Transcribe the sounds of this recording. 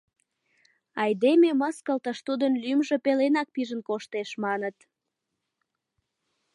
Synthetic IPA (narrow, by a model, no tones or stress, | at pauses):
ɑjd̪ememəskəlt̪əʃt̪ud̪ənlymʒĕpelenɑk̚piʒənkoʃt̪eʃmɑnət̪